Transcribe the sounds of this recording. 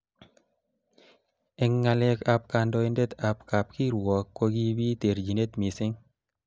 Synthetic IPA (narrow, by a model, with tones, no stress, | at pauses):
ɛ˨ŋːa˧le˧ka˨p̚ka˨ndɔ˧i˦nde˦t̪a˨pka˨p̚ki˦ɾwɔ˨kːwo˧˦ɡi˦bi˦t̪e˨ɾd͡ʒi˨ne˦t̪mi˨sɪ˦ŋ